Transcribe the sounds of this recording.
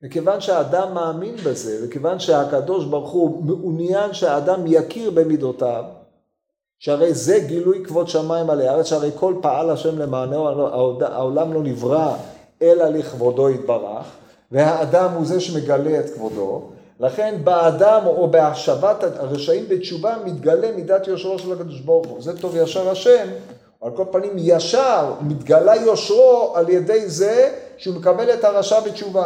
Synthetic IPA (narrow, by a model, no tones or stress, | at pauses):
vekevanʃeaːdamːaːminbeze̞vekevanʃeakad̪o̞ʃbaʁχumeʔunjanʃeaːdamjakiʁbe̞mid̪o̞tav | ʃeaʁe̞jze̞ɡilujkvo̞d̪ʃamaimalejaʁeʃaʁejkʰo̞lpaalaʃe̞mle̞maːnooa̰daa̰olamlo̞nivʁa | elaleχvo̞do̞it̪̚baʁa̰χ | ve̞haːd̪amhuzeʃeme̞ɡaleet̪kvo̞d̪o̞̰ | laχe̞nbeadamo̞beaʃavat̪aaʁeʃaimbet͡ʃuvamit̪ɡale̞mid̪at̪jo̞ʃʁo̞ʃelakad̪o̞ʃboʁχuzet̪o̞vjaʃaʁaʃe̞m | oalko̞lpanimjaʃaʁmit̪ɡalajo̞ʃʁo̞aljede̞jzeʃeumekabe̞le̞t̪haʁaʃabet͡ʃuva